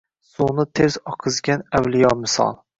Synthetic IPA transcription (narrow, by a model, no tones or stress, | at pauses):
sunɪt̪ʰe̞z̥ɒqʰɨzɡʲanawlɪjɒmɪsɒ̰lˠ